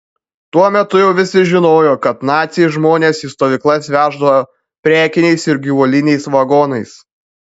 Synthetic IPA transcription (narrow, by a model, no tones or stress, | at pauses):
t̪uɔmʲɛt̪ʊjɛʊʋʲɪsʲɪʒʲɪnoːjoːkɐt̪nɑːt̪sʲɪʒmoːnʲeːsiːst̪oːʋʲɪˑklˠɐsʋʲæːʒd̪ɐʋɐ | pʲɾʲæːkʲɪnʲɛɪsɪɾɡʲɪʋuːlʲɪnʲɛɪsʋɐɡɔːnɐɪs